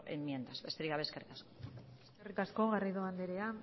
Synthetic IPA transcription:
emːje̞nd̪azβe̞st̪eiɣaβe̞skerikaskoeserikasko̞ɣarajðoand̪eɾe̞a

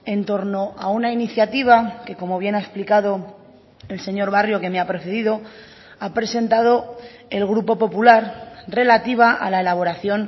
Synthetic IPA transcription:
e̞nt̪o̞ɾno̞ʔaunainiθjat̪iβ̞ake̞ko̞mo̞β̞je̞nae̞splikaðo̞ | e̞lse̞ɲo̞ɾβarjo̞ke̞meapɾe̞θeðiðo̞ | apɾe̞se̞nt̪að̞o̞ | e̞lɣ̞ɾupo̞po̞pulaɾre̞lat̪iβ̞aʔa̰lae̞laβ̞o̞ɾaθjo̞n

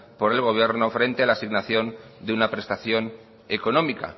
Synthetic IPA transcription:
po̞ɾe̞lɣ̞o̞β̞je̞ɾnofɾe̞nt̪e̞alasiɣnaθjo̞nd̪eunapɾe̞st̪aθjo̞n | eko̞nõ̞mika̰

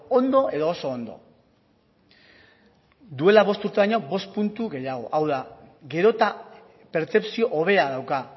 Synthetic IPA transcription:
ond̪o̞e̞ðo̞ːso̞ːnd̪o̞̰ | d̪ue̞laβ̞o̞st̪uɾt̪e̞βaɲo̞bo̞st̪̚punt̪uɣe̞jaɣ̞o̞̰ʔawða | ɡe̞ɾo̞t̪a | pe̞ɾt͡se̞psio̞ʔoβ̞e̞aðawka

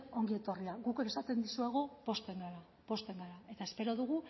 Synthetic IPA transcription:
o̞ŋɡie̞t̪o̞riaɣukɾesat̪e̞nd̪isueɣ̞o̞po̞st̪e̞ŋɡaɾa | po̞st̪e̞ŋɡaɾae̞t̪ae̞spe̞ɾo̞ðuɣ̞u

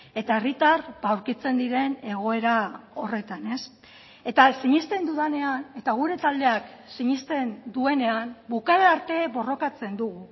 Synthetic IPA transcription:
e̞t̪ae̞rit̪arbawɾkit͡se̞nd̪iɾe̞ne̞ɣ̞o̞e̞ɾao̞re̞t̪ane̞s | e̞t̪asiɲist̪e̞nd̪uðane̞ane̞t̪aɣ̞uɾe̞t̪ald̪e̞aksiɲist̪e̞nd̪ue̞ne̞ambukaðeaɾt̪e̞bo̞ro̞kat͡se̞nd̪uɣ̞u

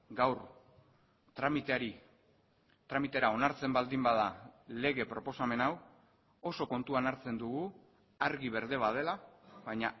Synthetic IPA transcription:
ɡawɾ | t̪ɾamit̪eaɾi | t̪ɾamit̪e̞ɾao̞naɾt͡se̞mbald̪imbað̞ale̞ɣ̞e̞pɾo̞po̞same̞naw | o̞so̞ko̞nt̪uanaɾt͡se̞nd̪uɣu | aɾɣiβ̞e̞ɾðe̞βað̞e̞laβajɲa

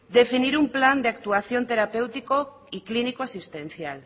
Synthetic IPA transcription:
d̪efiniɾumpland̪eakt̪uaθjont̪eɾapewt̪iko | iklinikoasist̪ẽnθjal

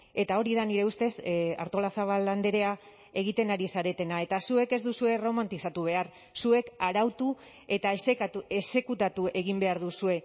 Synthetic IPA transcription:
e̞t̪ao̞ɾiðaniɾe̞ust̪e̞sa̰ɾt̪o̞lasaβ̞alːand̪eɾe̞a | e̞ɣ̞it̪e̞naɾisaɾe̞t̪e̞nae̞t̪asue̞ke̞zd̪usue̞ro̞mant̪isat̪uβ̞e̞aɾ | sue̞kaɾawt̪u | e̞t̪aese̞se̞kut̪at̪uʔe̞ɣimbe̞aɾðusue̞

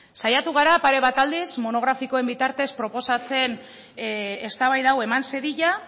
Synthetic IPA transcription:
sajat̪uɣ̞aɾapaɾe̞βat̪ald̪ismo̞no̞ɣ̞ɾafikoe̞mbit̪aɾt̪e̞spɾo̞po̞sat͡se̞n | e̞st̪aβajðawe̞manseɾiʎa

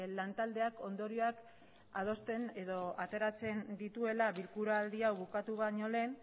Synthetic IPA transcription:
lant̪ald̪e̞ako̞nd̪o̞ɾio̞ak | að̞o̞st̪e̞ne̞ðo̞ʔat̪e̞ɾat͡se̞nd̪it̪ue̞laβilkuɾaaːld̪iawβukat̪uβaɲo̞le̞n

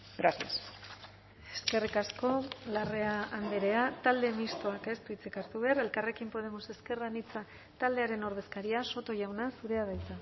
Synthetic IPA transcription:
ɡɾasias | e̞̥ske̞rikasko̞lare̞aand̪eɾe̞at̪ald̪e̞mist̪o̞ake̞st̪uit͡sekaɾt̪uβeaɾe̞lkare̞kimpo̞ð̞e̞mose̞ske̞rɣanit͡sa | t̪ald̪e̞aɾe̞no̞ɾð̞e̞skaɾiaso̞t̪o̞ʝawnasuɾe̞aðajt͡sa

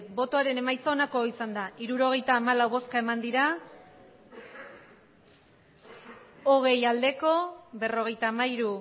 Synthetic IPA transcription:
bo̞t̪o̞aɾe̞ne̞majt͡so̞ːnako̞isand̪aʔiɾuɾo̞ɣ̞e̞jt̪aːmalawβo̞skae̞mand̪iɾa | oɣ̞e̞jald̪e̞ko̞βe̞ro̞ɣ̞e̞jt̪aːmaiɾu

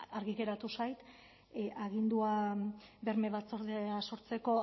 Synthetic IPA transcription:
aɾɣit̪e̞ɾat̪usajt̪ | ʔaɣind̪uabe̞ɾme̞βat͡so̞ɾðeaso̞ɾt͡seko̞

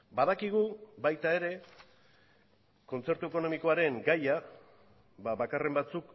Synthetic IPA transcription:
baðakiɣ̞ubajt̪ae̞ɾe̞ | ko̞nt͡se̞ɾt̪ue̞ko̞no̞miko̞aɾe̞ŋɡaja | βaβakare̞mbat͡suk

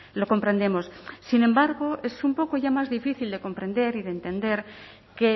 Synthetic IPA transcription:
lo̞ko̞mpɾe̞nd̪e̞mo̞ssinẽ̞mbaɾɣoesumpo̞koʝamazðifiθild̪e̞ko̞mpɾẽ̞nd̪e̞ɾiðeːnt̪end̪e̞ɾ | ke

